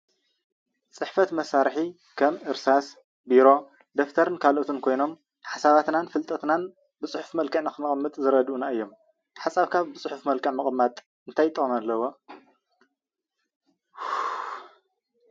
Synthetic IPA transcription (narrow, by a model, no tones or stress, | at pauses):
t͡sʼɨħfɐt̪mɐsaɾħi | kʰɐmʔɨɾsas | biɾo̞ | d̪oft̪ʰɐɾɨnkʰalʔot̪ʰunkʰo̞jno̞m | ħasaβat̪nanfɨlt̪ʼɐt̪nan | bɨt͡sʼɨħu̥fmɐlkʰɐʕnaxɨnɨχʼmːɨt̪ʼzɨɾɐd̪ʔunaɨjːo̞m | ħasʼaβkʰaβbɨt͡sʼuħufmɐlkʰɐʕmɐχʼmːat̪ʼ | ɨnt̪ʰajt̪ʼːɐχʼmalːɐwo̞